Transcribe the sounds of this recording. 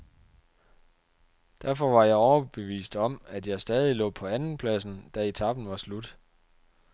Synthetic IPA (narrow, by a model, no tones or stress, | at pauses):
d̥æɐfɒ̽ʋɑ̈jɑ̈ɪɒʊɐb̥e̝ʋḭːsd̥ɒ̽mæd̥jɑ̈ɪsd̥ɛːð̞ˠilɔ̰̽ːpʰɒ̽ænn̩pʰlæsn̩d̥æe̝t͡sʰɑ̈b̥n̩ʋɑ̈slud̥